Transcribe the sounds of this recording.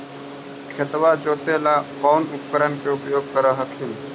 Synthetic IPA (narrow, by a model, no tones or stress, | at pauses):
kʰet̪ʋad͡ʒoːt̪elakɔːnʊp̚kəɾənkeupjoːɡ̚kəɾəɦəkʰin